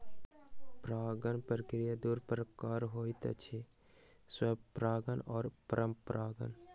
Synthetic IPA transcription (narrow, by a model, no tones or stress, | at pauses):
pɾaːɡənpɾəkɾijad̪uːɾpəɾəkaːɾɦoːit̪ɐ̰t͡ʃʰe | swɐbpɾaːɡənɔːɾpəɾəmpɾaːɡə̰n